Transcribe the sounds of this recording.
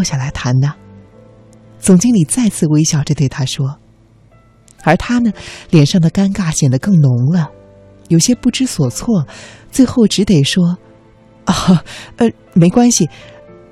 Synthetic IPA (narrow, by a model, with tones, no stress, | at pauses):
ɕja˥˩la˧˥ɪt̪ʰa˧˥nd̪ə˨ | t͡sʊ˨˩ŋt͡ɕi˥ŋli˨˩t͡sa˥˧ɪt͡sʰɹ̩˥˩we˥ɪɕjɑ˨˩ʊʈ͡ʂə˥t̪we˥˩ɪt̪ʰa˥ʂwɔ˥ | ə˞˧˥t̪ʰa˥nə˨ljɛ˨˩nʂɑ˥˩ŋd̪ə˩ka˥nka˥˩ɕjɛ˨˩nd̪ə˦kɤ˥˩ŋnʊ˧˥ŋlə˧ | jo˨˩ʊɕjɛ˥pu˥˩ʈ͡ʂɻ̩˥swɔ˨˩t͡sʰwɔ˥˩t͡swe˥˧ɪxo˥˩ʊʈ͡ʂɻ̩˧˥t̪e˨˩ɪʂwɔ˥ | ə˧˩ | me˧˥ɪkwa˥nɕi˨